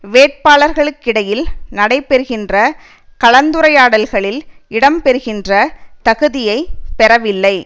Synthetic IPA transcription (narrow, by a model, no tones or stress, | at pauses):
ʋeːʈ̚paːɭɐɾɣɐɭɯkːɪɽɐjɪlnɐɽɐɪpɛɾɯɣɪndrɐ | kɐɭɐnd̪ɯɾɐɪjaːɽɐlɣɐɭɪlɪɽɐmpɛɾɯɣɪndrɐt̪ɐɣɯðɪjɐɪpɛɾɐʋɪlːɐɪ